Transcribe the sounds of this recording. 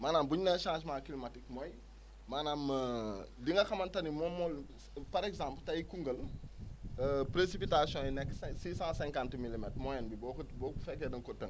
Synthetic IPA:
maːnaːmbuɲunɛnʃãːsmakilɔmatik̚mɔj | maːnaːmədiŋɡɐxɐmɐntɐnimɔmɔl | pɐɾɛkzãmpltɐjkuŋɡəl | əpɾesipitasjɔ̃jinɛkːsɛsiːsãsɛ̃ŋkantmilimɛtmɔjɛnbibɔkbɔːkufɛkːɛdɐŋkɔtəŋ

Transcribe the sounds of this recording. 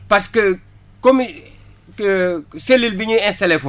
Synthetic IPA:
pɐɾskə | kɔm | selilbiɲuɛ̃nstɐlefɔ

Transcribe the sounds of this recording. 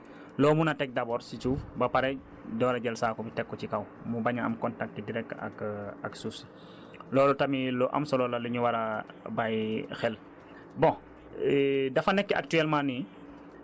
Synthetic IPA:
lɔːmunɐtɛk̚dɐbɔːɾsit͡ʃuːfbɐpɐɾɛ | dɔːɾɐɟɛlsaːkɔbitɛkːɔcikɐw | mubɐɲɐɐ̰mkɔntak̚tːidiɾɛk̚tɐ̰kɐksus | lɔːlɔtɐmilɔʔɐ̰msɔlɔlɐlɐɲuwɐɾɐbajxɛl | bɔ̃ | dɐfɐnɛkːɐ̰k̚tyɛlmani

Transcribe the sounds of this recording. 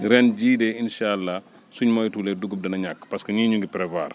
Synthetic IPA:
ɾɛnɟiːdɛinʃalːa | suɲmɔjtuːlɛduɡup̚dɐnɐɲakːpɐskəɲiɲuŋɡipɾɛva̰ːr

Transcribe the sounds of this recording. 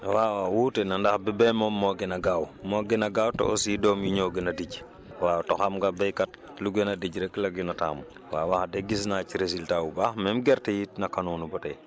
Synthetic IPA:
wawawutɛnandahbɛbɛmɔmɔɡɛnaɡawmɔɡɛnaɡawto̰ʔɔ̰sjidɔmjiɲɔɡɛnadiɟ | wawtɔxamɡabɛjkat̚ | luɡɛnadiɟɾɛklaɡinata̰ːm | wawahdɛɡis̬naciɾesiltawubahmɛmɡɛɾtɛjitnakanunubɔtɛ

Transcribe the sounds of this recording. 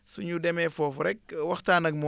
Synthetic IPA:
suɲudɛmɛfɔːfuɾɛk̚wɐxtaːnɐk̚mɔ

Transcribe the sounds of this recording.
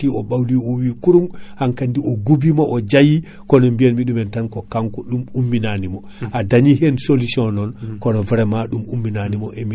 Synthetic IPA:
tiɔɓawliɔwikuɾumhaŋkandiʔɔɡubimaʔɔd͡ʒaji | kɔnɔmbiɛnmiɗumɛntankɔkaŋkɔɗumumːinanimɔ | ʔadaɲiɦensolusiɔnɔnkɔnɔvɛɾɛmaɗumumːinanimɔʔemi

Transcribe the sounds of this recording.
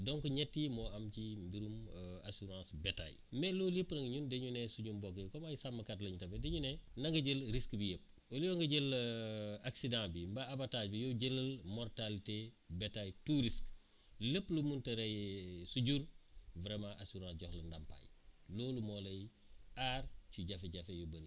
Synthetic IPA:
dɔŋkuɲɛtːimɔʔɐmcimbiɾuma̰suɾãːsbeta̰j | mɛloljəpːnɐŋɲundeɲunɛsuɟumbɔkekɔmajisamːɐkat̬lɐɲutɐbedeɲunɛnɐŋɡɐɟəlɾiskbijəp̚ː | oljɔŋɡɐɟel | aksidãbimbɐabataːɟbijoɟələlmɔrtalite | betajtuɾisk | ləpːlumuntɐɾejsuɟuɾvɾemãʔasuɾãːsɟɔhlɐndampa̰jlolumoːlɐj | aɾt͡ʃuɟafeɟɐfejobəl

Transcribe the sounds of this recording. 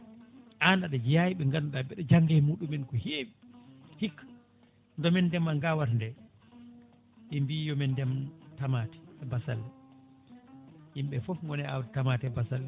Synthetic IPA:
ʔandaɗɛd͡ʒijajiɓɛŋɡanɗabɛɗɔd͡ʒaŋɡɛjmuɗumɛnkɔhe | hikː | ndɔmɛndɛmaŋɡawaɾndɛ | ɗimbijɔmɛndɛmtamatɛ̥ɛbasalːɛ | jimɓɛfɔfŋɔnɛawdtamaːtiɛbasalːɛ

